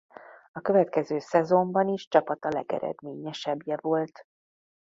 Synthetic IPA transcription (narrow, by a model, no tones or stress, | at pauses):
ɒkøvɛt̪kɛzøːsɛzo̞mbɒniʃt͡ʃɒpɒt̪ɒlɛ̰ɡɛ̰ɾɛ̰d̪meːɲɛʃɛbjɛvo̞lt̪